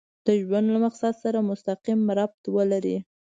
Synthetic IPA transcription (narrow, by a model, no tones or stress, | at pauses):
d̪̥əʒwand̪lamaqsad̪saɾamʊst̪aqimːaɾɑb̚t̪wəlaɾḭ